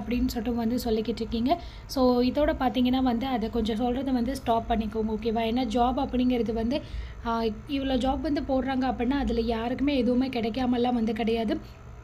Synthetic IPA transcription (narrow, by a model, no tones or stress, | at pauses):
ɐpːɐɽɪnːɯsɔʈːɐ̃ʋɐnd̪ɯsɔlːɪkːɪʈːɾɯkːiːŋɡɐ | soːɪðoːɽɐpaːɾt̪iːŋɡɐnːaːʋɐnd̪ɯɐðɛkɔɲd͡ʒɔ̃s̬ɔlrɐðɯʋɐnd̪ɯsʈaːpːɐɳːɪkːɐːŋɡɐoːkeːʋaːɛnːaːd͡ʒaːbɐpːɐɽɪŋɡɪɾɐðɯʋɐnd̪ɯ | ɪʋɐɭoːd͡ʒaːbʋɐnd̪ɯpoːɽɾaːŋɡɐɐpːɐɽɪnːaːɐðɪlɐjaːɾɯkːɯmeːɛðɯʋɐmeːkɪɽɛkːaːmɐlːãːʋɐnd̪ɯkɪɽɐjaːðɯ